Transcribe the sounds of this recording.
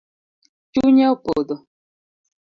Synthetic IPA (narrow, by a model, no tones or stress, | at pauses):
t͡ʃuɲɛopodo